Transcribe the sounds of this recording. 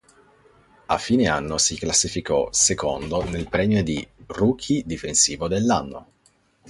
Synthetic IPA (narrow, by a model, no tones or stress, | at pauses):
afːiːneanːosiklasːifikɔsekond̪onelpɾɛːmjod̪iruːkʰid̪ifensiːvod̪elːanːo̰